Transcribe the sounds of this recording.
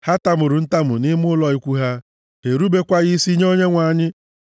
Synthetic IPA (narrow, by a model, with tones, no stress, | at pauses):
ha˦ta˦mʊ˨ɾʊ˨n̩˦ta˦mʊ˨nɪ˦mʊ˦lɔ˦i˦kʷu˦ɦa˦ | ɦe˨ɾu˦be˦kʷa˦ɣi˦si˦ɲ˦o˦ɲe˦ŋʷa˨˦˨ɲɪ˦